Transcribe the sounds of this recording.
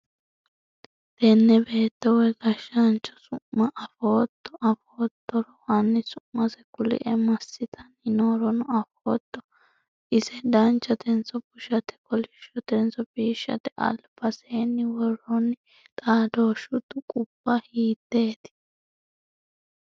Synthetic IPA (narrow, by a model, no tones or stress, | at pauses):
t̪ɛnːɛbe̞ːt̪ːɛwɛɡɐʃːɐnt͡ʃːɔ̥sʊʔːɐʔɐfoːt̪ːɔʔɐfoːt̪ːɔɾɔwɐnːɪsʊʔmːɐsɛkʊlɪ̰ʔɛmɐsːɪt̪ʰɐnɪnoːɾɔnʊɐfoːt̪ːɔ | ɪsɛd̪ɐnt͡ʃːɐt̪ɛnt͡sɔpʊʃɐt̪ɛ̥kɔlɪʃːɔt̪ɛnt͡sɔbiːʃːɐ̰t̪ɛʔɐ̰lbɐseːnːɪwɔrːɔnɪ | t̪ʼaːd̪oːʃʊd̪ʊkʼʊbːɐhiːt̪ːe̞ːt̪ɪ̥